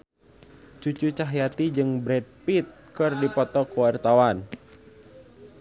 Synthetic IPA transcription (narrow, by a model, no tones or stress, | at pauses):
t͡ʃut͡ʃut͡ʃaɦjat̪id͡ʒɨŋbɾɛt̪̚pit̪̚kɨrdipɔt̪ɔkwart̪awan